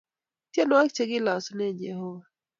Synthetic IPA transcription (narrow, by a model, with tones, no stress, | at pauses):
tje˦nɔ˦a˦k̚t͡ʃe˦ɡɪ˦la˨sɔ˦nɛ˦d͡ʒɛ˨hɔ˦wa˨